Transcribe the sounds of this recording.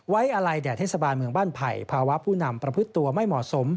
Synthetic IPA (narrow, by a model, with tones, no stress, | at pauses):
wa˦˥jʔa˧ɾa˧jdɛː˨˩t̪ʰeː˥˩sa˧baː˧nmɯ˧əŋbaː˥˩npʰa̰˨˧jpʰaː˧wa˦˥pʰuː˥˩na˧mpɾa˧pʰɯ˦˥t̪ːu˧ɐma˥˩jmɔː˨˩so˩˦m